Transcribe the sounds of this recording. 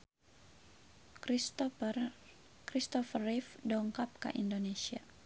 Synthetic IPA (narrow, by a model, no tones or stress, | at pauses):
kɾist̪ɔfərifdɔŋkap̚ka̰ʔindonesia